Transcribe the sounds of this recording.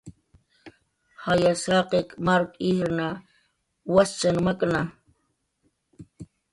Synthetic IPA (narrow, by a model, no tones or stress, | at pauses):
hajasaqekmaɾkʼiɾna | wast͡ʃanmakna